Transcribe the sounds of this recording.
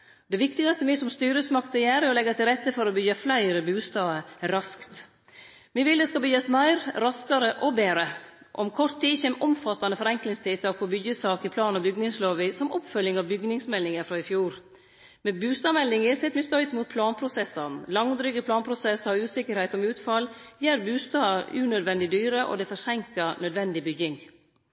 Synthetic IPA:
d̪ɛʋɪkt̪ɪɡɑst̪əʋɪsɔmst̪yːɾəsmɑkt̪ʰɪljæːɾəɾɔlɛɡɑt̪ʰɪlɾɛt̪ːəfɔɾɔbʏɡəflæɪɾəbʉːst̪ɑːəɾɑskt̪ | mɪʋɪld̪ɛskɑbʏɡɑsmæɪɾɾɑskɑɾəʔɔbeːɾə | ʔɔ̰mkʰɔʈ̪ʰːiːçɛmʔɔmfɑt̪ːɑnəfɔɾɛŋklɪŋst̪ʰɪt̪ʰɑːk̚pʰɔbʏɡjəsɑːkɪpʰlɑːnɔbʏɡnɪŋsloːʋɪsɔmɔpfœljɪŋɑʋbʏɡnɪŋsmɛlːɪŋəɾfɾɑɪfjuːɾ | mɛbʉːst̪ɑːmɛlːɪŋɪsɛt̪mɛst̪œʏt̪muːt̪̚pʰlɑːnpʰɾʊsɛsɑnlɑŋd̪ɾʏɡəpʰlɑːnpʰɾʊsɛsɑɾʉːsɪkəɾhɛɪt̪ɔmʉːt̪fɑljæːɾbʉːst̪ɑːʉːnœd̪ʋɛnd̪ɪd̪yːɾəʔɔ̰d̪ɛfɔsɛŋkɑnœd̪ʋɛnd̪ɪbʏɡɪŋ

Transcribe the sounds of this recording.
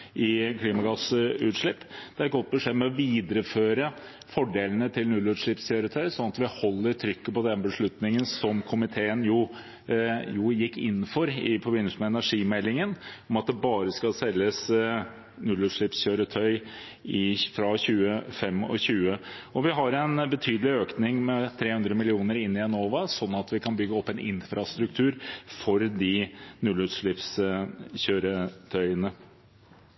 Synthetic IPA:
ʔɪkʰliːmɑɡɑsʉ̰ːt̪ʂɭɪpːd̪̥ɛæɾɛt̚ɡɔt̪̚ːbəʂeːmɛɔʋiːd̪əɾəføːɾə | fɔɖeːlənət̪ʰɪlnʉlʉːʂɭɪpsçøːɾət̪ʰœʏsɔnɑt̪ʋɪhɔlːəɾt̪ʰɾʏkːəpɔd̪ɛnːəbəʂɭʉt̪nɪŋənsɔmkʰʊmɪt̪ʰeːənjʊ | jʊjɪkːɪ̰nːfɔɾɪpʰɔbʏnːɪsmɛɛnæʂiːmɛlːɪŋənɔmɑt̪̚d̪ɛbɑːɾəskɑlsɛlːəs | nʉlʉt̪ʂɭɪpsɕøːɾət̪ʰœʏ | ɪfɾɑɕʉːəfɛmːɔ̰ɕʉːə | ɔʋɪɦɑɾɛnbət̪ʰyːd̪əlɪøːknɪŋmɛt̪ʰɾeːhʉnd̪ɾəmɪlɪuːnəɾɪnːɪjɛnoːʋɑsɔnːɑt̪ʰʋɪkʰɑnbʏɡːəɔpːɛnɪ̰nfɾɑst̪ɾʉk̚t̪ʰʉːɾfɔɾd̪ɪnʉlʉt̪ʂɭɪpsɕøːɾət̪ʰœʏənə

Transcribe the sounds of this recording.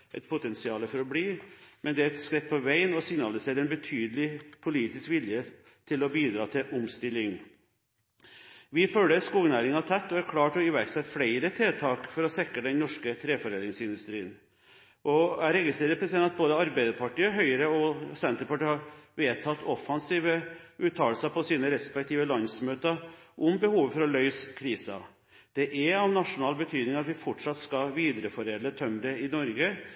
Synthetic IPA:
ʔɛt̪̚pʰʊt̪ʰɛnsɪɑːləfɔɾɔbliːmɛnd̪ɛæɛt̪skɾɛt̪̚pʰɔʋæɪənɔsɪɡnɑlɪseːɾɛnbət̪ʰyːd̪əlɪpʰʊliːt̪ɪskʋɪljə | t̪ʰɪlɔbiːd̪ɾɑːt̪ʰɪʔʊmst̪ɪlːɪŋ | ʋɪføːləskuːɡnæːɾɪŋɑt̪ʰɛt̪ːɔæɾkʰlɑːʈɔɪʋæɾksɛt̪ːfɽæɪɾət̪ʰeːt̪ʰɑːkfɔɾɔsɛkːəd̪ɛnnɔʂkət̪ʰɾeːfɔɾeːnɪŋsɪnd̪ʉst̪ɾiːən | ʔɔæɾɛɡɪst̪ɾeːɾəpʰɾɛsɪd̪ɛnɑt̪̚boːd̪əɑɾbæɪd̪əɾpɑʈiːəɔɦœʏəɾəɔsɛnt̪əɾpɑʈiːhɑɾʋeːt̪ʰɑt̪ːɔfːɑnsiːʋəʔʉːt̪ʰːɑːlsəpʰɔsiːnəɾɛspɛk̚t̪ʰiːʋəlɑnsmøːt̪əʔʊmbəhuːʋəfɔɾɔlœʏskʰɾiːsɑ̰ | d̪̥ɛʔæɾɑʋnɑʂʊnɑːlbət̪ʰyːd̪nɪŋɑt̪ʋɪfɔʈʂɑt̪ːskɑʋiːd̪əɾəfɔɾeːd̪ət̪ʰœmd̪ɛɪnɔɾɡə

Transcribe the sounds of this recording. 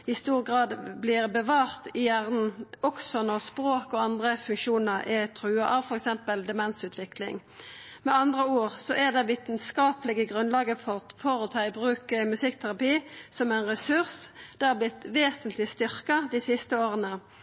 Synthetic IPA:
ɪst̪uːʁɡʁɑːd̪blɪʁbəʋɑːʁt̪ɪjæʁnn̩ɔksɔnɔʁspʁoːkɔɑnd̪ʁəfʉŋkʃuːnəʁʔɛt̪ʰʁʉːɑʔɑʋfɔʁɛksɛmpəld̪ɛmɛnsʉːt̪ʰʋɪklɪ̰ŋ | mɛɑnd̪ʁəuːʁsɔʔæd̪ɛʋiːt̪nskɑːpəlɪɡəɡʁʉnlɑːɡəfɔʁfoːʁət̪ʰɑːɪbʁʉːkəmʉsɪkːt̪ʰæʁɑpiːsɔmæɪnʁɛsʉʁsd̪̥ɛhɑblɪt̪ʋeːsənt̪ʰlɪst̪ʏʁkɑd̪ɪsɪst̪əoːʁənə

